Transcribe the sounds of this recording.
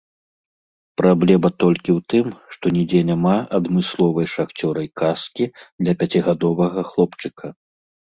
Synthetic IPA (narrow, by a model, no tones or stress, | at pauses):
pɾablʲɛmɐt̪ɔlʲkʲiwt̪ɨmʂt̪ɔnʲid͡zʲɛnʲamaɐd̪mɨslˠɔvɐjʂaxt͡sʲɔɾɐjkaskʲid̪lʲɐpʲat͡sʲiɣad̪ɔvɐɣɐxlˠɔpt͡ʂɨkʰɐ